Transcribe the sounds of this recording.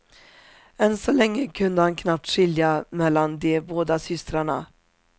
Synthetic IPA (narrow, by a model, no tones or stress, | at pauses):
ɛnsɔlɛŋːəkʰɵnd̪əhankʰnap̚t̪ʂɪljamɛlːand̪ɛboːd̪asʏst̪ɾaɳa̰